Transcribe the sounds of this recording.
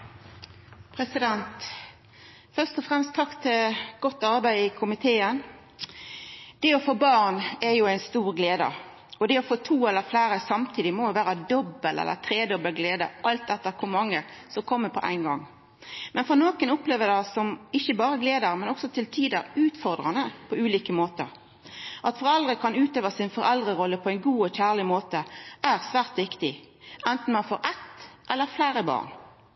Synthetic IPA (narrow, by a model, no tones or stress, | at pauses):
pʰɾɛsɪd̪ɛnt̪ | fœʁst̪ɔfʁɛmst̪ʰːɑkt̪ʰɪlɡɔt̪ːɑɾbæɪɪkʰʊmɪt̪ʰeːən | d̪̥ɛɔfoːbɑːʁnɛjʊæɪnst̪uːɾɡleːd̪ə̰ | ɔd̪ɛɔfoːt̪ʰuːɛlːəɾflæɪɾəsɑmt̪ʰiːd̪ɪmɔjʊʋæːɾəd̪ɔbːəlɛ̰lːə̰t̪ʰɾeːd̪ɔbəlɡleːd̪ə̰ʔɑlt̪̚d̪ɛt̪ːəɾkʰʊɾmɑŋːəsɔmkʰɔmːəpʰɔʔæ̰ɪnɡɑ̰ŋ | mɛnfɔʁnoːkənʊpleːʋəd̪æɪsɔmɪçːəbɑːɾəɡleːd̪əɾmɛnɔksɔt̪ʰɪlt̪ʰiːd̪əɾʉːt̪fɔʁd̪ʁɑnəpʰɔʉːliːkəmoːt̪ə̰ɾ | ʔɑt̪fɔɾɛld̪ɾəkʰɑnʉːt̪øːʋəsɪnfɔɾɛld̪ʁəʁɔlːəpʰɔæɪnɡuːɔçæːʁɭɪmoːt̪əæʁsʋæːʁt̪ʋɪkt̪ɪ | ʔɛnt̪n̩mɑnfoːɾʔɛt̪ʔɛlːəɾflæɪɾəbɑ̰ːʁn